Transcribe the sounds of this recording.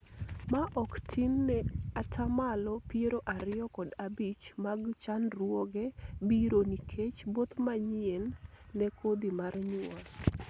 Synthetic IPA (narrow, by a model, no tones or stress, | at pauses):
maʔɔktʰinːɛatʰamalɔpjeɾoʔaɾɪjɔkɔdabit͡ʃmaɡt͡ʃanrwɔɡɛbiɾonikʰet͡ʃbot̪maɲɪenːɛkod̪imarɲwa